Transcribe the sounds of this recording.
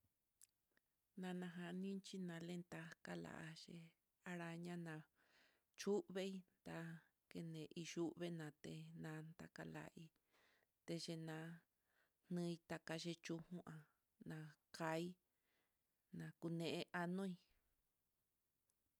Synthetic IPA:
nã˧nã˧ɦa˧nĩ˦t͡ʃi˦nã˧lẽ˦nt̪a˧ka˦la̰˨ʔa˧ʃe˧ | a˧ɾa˧ɲã˦nã˨ | t͡ʃu˦ʔβe˦i˧˦nt̪a˧ | ke˧nẽ˨ʔi˧ʃu˦ʔβe˦nã˨t̪e˧nã˧˦nt̪a̰˧ka˧la̰˨ʔi˧ | t̪e˧ʒe˧nã˧ | n̥nɨ̃˦˧i˧t̪a˧ka˧ʒe˧t͡ʃu˧hũ˦ʔã˨ | nã˧ka˧˦i˦ | nã˨ku˧nẽ˨ʔe˧ʔa˧nõ˦i˧

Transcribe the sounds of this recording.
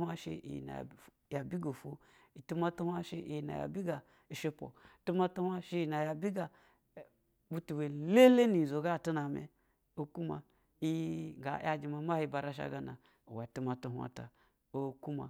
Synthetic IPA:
a˦ʃḛ˧ʔḭ˨na̰˨ | ja˨bi˦ɡo˨fo˦ | i˨tu˦ma˧tu˦ha˦ʃe˦ʔi˨jna̰˨ja̰˨bi˦ɡa˨ | i˨ʃe˧pʷo̰˨tu˦ma˧tu˦ha˧ʃe˦ji˨na˨ja˨bʲi˦ɡa˨ | bu˦tu˨we˨le˦le˦ni˨zo˨ɡa˦˨tu˦na˨mḛ˨ | o˦ku˦ma̰˨ | i˦ŋ˨ɡa̰˨˦ja˦d͡ʒi˧ma˨˦ma˦hi˧ba˧ɾa˦ʃ̬a̰˦ɡa˨˦na˨ | o˨wa˨tu˦ma˨tu˧ɦʷa̰˨ta̰˨ | o˦ku˦ma̰˨

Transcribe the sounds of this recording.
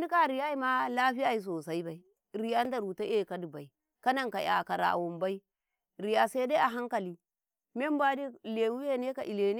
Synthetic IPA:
ni˦ka˦˨ɾi˨ja˦i˦ma˦la˦ɸi˦a˦i˨˦s̬o˨sa˦i˦ba˨i˨˦ | ɾi˨ja˦n˦da˨ɾu˨ta˦e˦˨ka˦di˨ba˨i˨ | ka˦na˦˨ŋka̰˨ja̰˨ka˨ɾa̰˨wo˨mba˦i˦ | ɾi˨ja˨sa˦da˦a˨ɦa˦ŋka˨li˦ | me˦m˦bʷa˦di˦˨le˨wu˦je˦ne˦ka˨ʔi˨le˨ne˦

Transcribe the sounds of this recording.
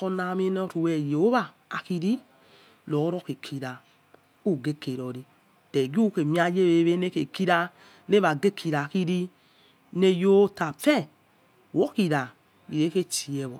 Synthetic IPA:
o˧na˨˧mi˦n˦o˧tu˨wɛ˨je˨o˦βa˦˨ | a̰˨ki˧ɾi˦ | lo˨˦ɾo˦ke˨kʰi˧ɾa˨ | u˦˨ɡe˦ke˨ɾo˨ɾi˧ | d̥ɛ˨ɡu˦ke˨mi˦a˧˦je˦βe˨˦βe˦ne˦ke˨ki˦ɾa˧ | ne˦βa˨ɡe˦kʰi˧ɾa˨ki˧ɾi˦ | ne˧jo˦ta˨fɛ˦˨ | wo˦ki˧ɾa˨ | i˨e˨˦ke˦t͡ʃi˨ɛ˨βo̰˨

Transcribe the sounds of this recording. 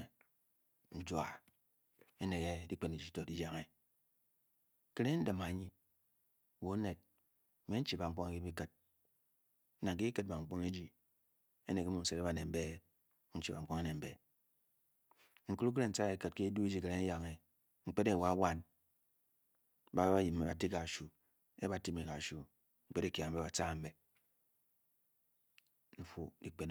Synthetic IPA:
n̩˦d͡ʒwa˨ | e˦ne˨ke˦di˦k͡pe˦ne˨d͡ʒi˨˦to˨di˦ja˨ŋe˨ | ke˦ɾe˦n̩˦dɨ˨ma˨ɲi˦˨ | wo˨˦ne˨t̚ | m̩˨me˦n̩˦t͡ʃi˦ba˨ŋ͡m̩˦k͡po˦ŋa˨ki˦bi˦kɨ˨t̚ | na˨ŋ˨ke˦kɨ˦t̚ba˨ŋ͡m̩˨k͡pu˦me˦d͡ʒi˨ | e˦ne˨ke˦mu˨n̩˨˦se˨ɾe˦ba˨ne˨m̩˦be˦ | n̩˦t͡ʃi˦ba˨˦k͡po˦ŋe˦ne˨m̩˨be˨ | ŋ̩˨ku˦ɾu˦k̬ɾe˦n̩˨t͡sa˦e˨˦kɨ˨t̚ke˦du˦e˦d͡ʒi˦ke˨ɾe˦n̩˦ja˨ŋe˨ | ŋ͡m̩˦k͡pe˦de˦˨wa˦wa˦n | ba˨˦a˦ji˨me˨ba˨ti˦ka˨ʃu˨ | e˦ba˨ti˦mi˨ka˨ʃu˨ | ŋ͡m̩˦k͡pe˦ɾe˦kja˨m̩˨be˦ba˨t͡sa˦˨m̩˦be˨ | n̩˦fu˦dḭ˨k͡pe˦n

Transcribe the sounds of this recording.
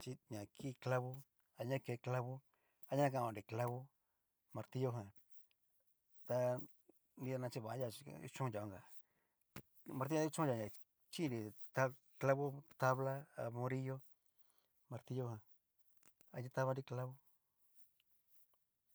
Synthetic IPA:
t͡ʃi˧ɲã˨kʰi˦˧kla˧βo˦ | a˧ɲã˦ke˨˧˨kla˦˧βo˦ | a˧˦ɲã˦k̬ã˧˨ã˨nɾi˨kla˦˧βo˦ | mã˧ɾt̪i˦jo˧ɦã˧ | t̪a˧ | ni˧a˧nã˧t͡ʃi˧βa˨˦ja̰˧˨˧ṵ˦t͡ʃũ˦˧ja˧˨˧ŋɡa˨ | ma˧ɾt̪ĩ˦˧˦t͡ʃũ˦˧a˧˨ã˨ | t͡ʃi˦˧ɾi˧t̪a˧ | kla˦βo˦t̪a˦βla˦a̰˧mõ˧ɾi˦jo˦ | mã˧ɾt̪i˧jo˧ɦã˧ | a˧ɲĩ˧t̪a˧βa˧nɾi˧kla˦βo˦

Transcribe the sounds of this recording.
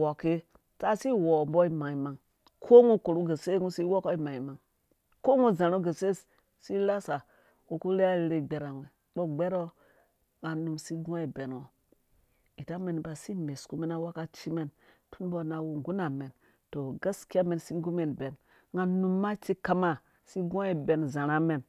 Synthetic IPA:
wo˨ke˦ | ta˦si˦wo˨mbo˦i˦ma˨i˨ma˨ŋ | kʰo˦ŋu˦ko˨ɾu˦ɡe˨se˦ŋu˦si˦wo˦ko˦i˦ma˨i˨ma˨ŋ | ko˦ŋu˦za˨ɾu˦ɡe˨se˦ | si˦la˦sa˨ | ɡu˨ku˦ɾe˦a˦i˨˦ɾe˦˨ɡ͡be˨ɾa˨ŋe˨ | ɓo˦ɡ͡be˦ɾo˦ | ŋa˨nu˨msi˦ɡõ˦i˨be˨nwo˨ | i˨ta˦me˨n˨ba˨si˦me˨sku˦me˦na˦wa˦ka˦t͡ʃi˦me˦n | tʰu˦n˦bo˦na˨wu˨ŋɡu˦na˨me˨n | to˨ɡa˦ski˦a˦me˨nsi˦ŋ˦ɡu˦me˨nbe˨n | ŋa˨nu˨mːa˦t͡ʃi˦ka˦ma˦ | si˦ɡõ˦i˨be˨nza˨ɾa˦me˨n

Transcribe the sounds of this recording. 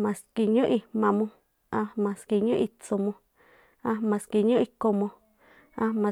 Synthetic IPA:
mã˨ski˧ɲõ˦ʔi˧mã˨mõ˧ | ã˧mã˨ski˨ɲõ˦ʔi˧t͡so˧mõ˧ | ã˧mã˨ski˧ɲõ˦ʔi˧ko˧mõ˧ | ã˧mã˨

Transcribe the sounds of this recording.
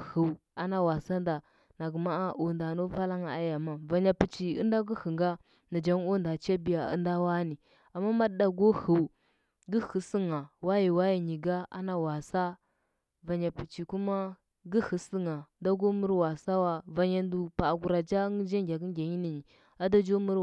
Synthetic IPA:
hə˨a˨na˦wa˨sa˦n˦da˨ | na˨ɡə˨ma˦a˦ʔo˨nda˨no˦va˦la˦ŋa˨a̰˦ja˨ma˦va˨ɲa˨pi˨t͡ʃi˨ə̰˦n˦da˦ɡu˦hə˨ŋɡa˦ | na˨d͡ʒa˦ŋ˦o˦nda˨t͡ʃa˦bi˨ja˨ə̰˦nda˦wa˦ni˨ | a˨mːa˦ma˦dda˨ɡo˦hu˨w | ɡə˦hə˨sə˦ŋa˨wa˦ji˨wa˦ji˨ɲi˨ɡa˦a̰˦na˨wa˨sa˦ | va˨ɲa˨pi˨t͡ʃi˨ku˦ma˦ | ɡə˦hə˨si˦ŋa˨˦nda˦ɡo˦mu˦ɾwa˨sa˦wa˦va˨ɲa˨ndu˨pa˨ɡu˨ɾa˨d͡ʒa˦ŋ˦d͡ʒa˦ŋɡʲa˨ɡi˦ɡʲa˨ɲi˦ni˨ɲi˨ | a˦da˦d͡ʒo˦mu˦ɾ

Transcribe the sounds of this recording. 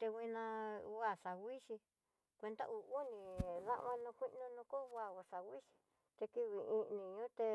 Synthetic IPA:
t̪e˧ɣi˧nã˧˦a˨ʂa˨wʷi˦ʃi˧ | kʷe˧nt̪a̰˦ʔu˨u˦nĩ˧ðã̰˦ʔmã˧nũ˧kʷi˦ʔnũ˧nũ˧ko˦˧a˦˧˨a˨ʂa˨wʷi˦ʃi̥˧ | t̪e˧ki˦˧βi˨ĩ˧nĩ˨ɲũ˦t̪e˧

